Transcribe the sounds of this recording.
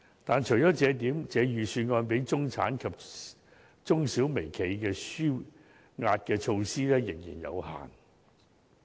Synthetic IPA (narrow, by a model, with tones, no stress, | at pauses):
t̪aː˨nt͡ʃʰɵ˨˩jt͡ʃɔː˨˥t͡sɛː˨˧t̪iː˨˥mt͡sɛː˨˧jyː˨˩syː˧nŋɔː˧npe˨˥jt͡sʊ˥ŋt͡sʰa̰ː˨˥nkʰɐ˨p̚ | t͡sʊ˥ŋsiː˨˥wme˨˩jkʰe˨˥jkɛː˧syː˥ | ŋaː˧t̚kɛː˧t͡ʃʰo˧wsiː˥lɛː˥jɪ˨˩ŋjḭː˨˩njɐ̰˨˧wha̰ː˨˩n